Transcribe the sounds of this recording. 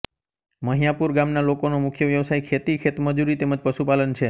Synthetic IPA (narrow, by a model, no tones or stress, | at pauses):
məɦijapuɾɡamnalokonomukʰjəʋjəʋsajkʰet̪ikʰet̪məd͡ʒuɾit̪eməd͡ʒpəʃupalənt͡ʃʰe